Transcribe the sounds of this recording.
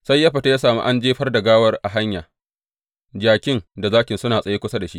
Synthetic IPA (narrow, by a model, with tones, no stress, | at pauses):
sa˦jːɐ˦ɸɐ˨ta˦jaː˦saː˨mṵ˦ʔa˦nd͡ʒeː˦ɸɐ˦rdɐ˨ɡaː˦wɐ˦rʔa˨ɦa˦ɲjaː˨ | d͡ʒaː˨kʲɪ˦nda˨zaː˦kʲɪ˨nsʊ˦naː˨sʼɐ˨jeː˦kʷʊ˦sa˦da˨ʃḭ˦ʔ